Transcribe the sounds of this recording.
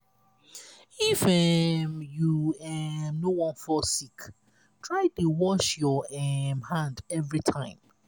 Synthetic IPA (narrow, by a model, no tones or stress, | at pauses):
ifɛmjuɛmnowɔ̃nfɔsik | tʰɹaɪtuwɔʃjɔɛmhãndɛvɹitʰãɪ̃m